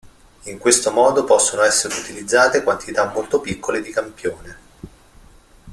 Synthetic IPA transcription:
iŋkwest̪omɔːd̪opɔsːonoɛsːeɾeut̪ilid̪zːaːt̪ekwant̪it̪amːolt̪opikːoled̪ikampjoːne

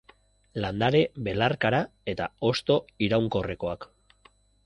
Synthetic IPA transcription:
land̪aɾe̞βe̞laɾkaɾae̞t̪ao̞st̪o̞iɾawŋko̞reko̞ak

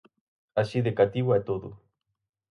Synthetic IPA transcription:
aʃiðekat̪iwaet̪oðu

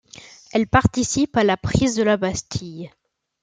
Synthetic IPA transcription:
ɛlpaʁt̪isipalapχizd̪əlabast̪ʰij

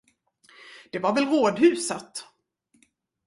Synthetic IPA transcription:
d̪̥ɛvaɾvɛlɾoːd̪ɦʉ̟ːsət̪

